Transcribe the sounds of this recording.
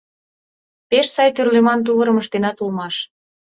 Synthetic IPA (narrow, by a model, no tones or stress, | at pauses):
peʃsɑjt̪yrlemɑnt̪̬uβəɾə̆mə̆ʃt̪enɑt̪ulmɑʃ